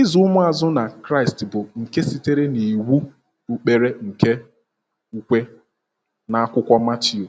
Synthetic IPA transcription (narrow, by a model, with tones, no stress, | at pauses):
ɪ˦zu˦mʊ˦a˨zʊ˦na˨kɾa˦ɪ˨stbʊ˨ŋ̩˨ke˦si˦te˦ɾe˦ni˨wu˦ | u˦k͡pe˦ɾe˦ŋ̩˨ke˦ | u˦kʷe˦ | na˨a˦kʷʊ˦kʷɔ˦ma˦t͡ʃi˨o˨